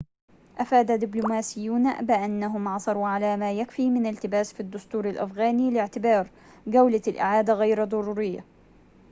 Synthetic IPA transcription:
ʔafaːd̪ad̪ɪblʊmaːsɪjːuːna̰bɪʔanːaɦʊmʕɑsˤɑɾuːʕalaːmaːjakfiːmɪnalt̪ɪbaːsfid̪ːʊst̪uːɾɪlʔa̰fɣaːniːlɪʕt̪ɪbɑːɾˤ | ɡawlalʔɪ̰ʕaːd̪aɣajɾd̪ˤɑɾuːɾɪjːa̰

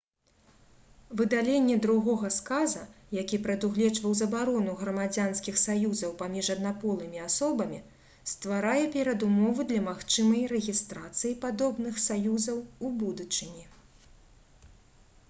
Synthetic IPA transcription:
vɨd̪alʲenʲːɛd̪ɾuɣɔɣɐskazɐ | jakʲipɾɐd̪uɣlʲɛt͡ʂvɐwzɐbaɾɔnuɣɾɐmad͡zʲanskʲixsajuzɐwpamʲiʐɐd̪napɔlˠɨmʲiasɔbɐmʲi | st̪vaɾajɛpʲɛɾɐd̪umɔvɨd̪lʲɐmaxt͡ʂɨmɐjɾɛɣʲist̪ɾat̪sɨjipad̪ɔbnɨxsajuzɐwubud̪ut͡ʂɨnʲi

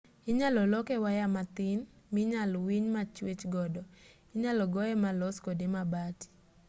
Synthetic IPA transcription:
ɪɲalɔlɔkɛwajamat̪ɪn | mɪɲalwiɲmat͡ʃwet͡ʃɡɔdɔ | ɪɲalɔɡɔɛmalɔskodemabati̥

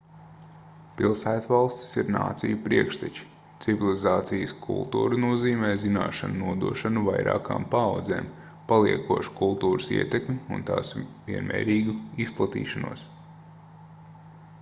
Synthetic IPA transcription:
pilˠsæːjt̪ʋalˠst̪i̥siɾna̰ːt̪sḭjupɾiɛkʃt̪ɛt͡ʃi̥ | t̪sivilˠizaːt̪sijskʰṵlˠt̪ṵːɾunuɔziːmɛːzina̰ːʃanunuɔd̪uɔʃanuva̰jɾa̰ːka̰ːmpaːwd̪zḛːm | palˠiɛkuɔʃu̥kulˠt̪uːɾəsḭɛt̪ekmiṵnt̪a̰ːsviɛnmɛ̰ːɾiːɡuisplˠat̪ḭːʃanṵɔs

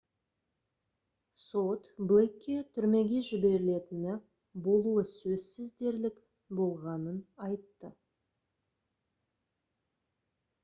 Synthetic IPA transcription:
sot̪blˠekʲːet̪ʰʏɾme̞ɡʲe̞ʒɪbe̞ɾɪle̞t̪ɪnɪ | bo̞lˠuəsɵzsɪzd̪e̞ɾlɪk | bo̞lˠʁɑnənɑjt̪ːə

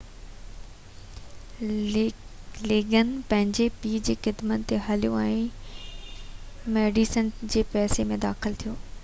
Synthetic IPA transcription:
leːɡənɪ̆pɐ̃ɦɪ̃ɲd͡ʑepiːd͡ʑeːxɪd̪mənt̪ːeɦɐlijoɛ̃ː | meːɖisənd͡ʑeːpɛːsemẽd̪aːxɪlt̪ʰijoː

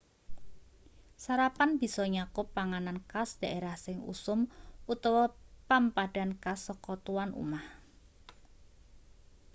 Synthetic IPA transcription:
saɾapanb̥i̤sɔɲakʊpːaŋanankasd̥a̤ʔeɾahsɪŋṵsʊmut̪ɔwɔpampad̥a̤nkasːɔkɔt̪uwanṵmah

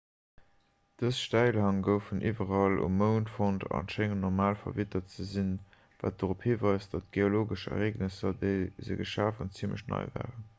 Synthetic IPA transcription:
d̥əsʃtæɪlɦɑŋɡəʊfənʔivɐʁɑlṵmːəʊntfontɑ̰nʃeŋnɔʁmaːlfɐ̰vitɐt͡səzin | va̰ːt̚d̥əʁophiːvɑɪsd̥ɑtɡ̥eoloːɡəʃə̰ʁeːɡnəsɐdeɪzə̰ɡəʃaːfənt͡simləʃnɑ̰ɪva̰ːʁən

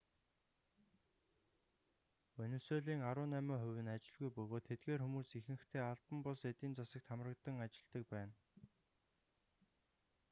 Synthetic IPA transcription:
ɵnɵ̆soːɮiːŋaɾʊːnæːmœːχʊwʲɘ̆nat͡ɕɪ̆ɮɣujpɵɣoːt̪ʰːet̪̚ɡeːrxumuːsixɘ̆xt̪ʰeːaɮp̪ə̆mpʊɮset̪iːnt͡sasə̆k̚t̪ʰamrə̆kt̪ə̆ŋat͡ɕɪ̆ɮt̪ə̆k̚pæːn

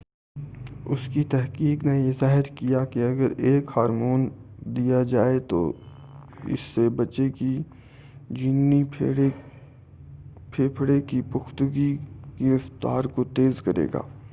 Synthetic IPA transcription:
ʊ̰skit̪ɛɦkiːknejezaːɦɪɾkijakiɐɡəɾeːkhaːɾmoːnd̪ijad͡ʒaːet̪o̰ | ɪ̰sːebɐt͡ʃeki | d͡ʒinːi | pʰeːpʰɽekipʊxt̪ʊɡiɡɪɾəft̪a̰ːɾkot̪eːzkɐɾḛːɡa̰ː

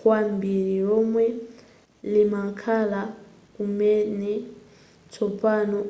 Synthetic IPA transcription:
kwambiɺiɺɔmwɛ | limakʰala | kumɛnɛ | t͡sʰɔpanɔ

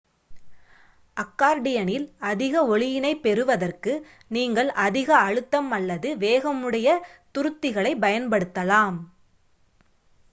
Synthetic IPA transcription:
ʔɐkːaːɾɖɪjɐnɪlɐðɪɣɐɔɭɪjɪnɐɪpːɛɾɯʋɐðɐrkɯ | niːŋɡɐɭʔɐðɪɣɐːɻɯt̪ːɐmɐlːɐðɯʋeːɣɐmɯɽɐjɐt̪ʊɾɯt̪ːɪɣɐɭɐɪpɐjɐnpɐɽɯt̪ːɐlaːm

